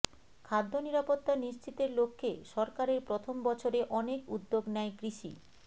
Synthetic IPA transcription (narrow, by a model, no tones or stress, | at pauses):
kʰad̪ʱːoniɾapot̪ːaniʃt͡ɕit̪eɾlokʰːeʃɔɾkaɾeɾpɾot̪ʰombɔt͡ɕʰoɾeʔɔnekud̪ːoɡnɛekɾiʃḭ